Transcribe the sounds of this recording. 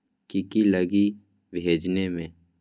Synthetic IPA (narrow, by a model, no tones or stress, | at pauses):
kikiləɡi | bʱeːd͡ʒnemẽː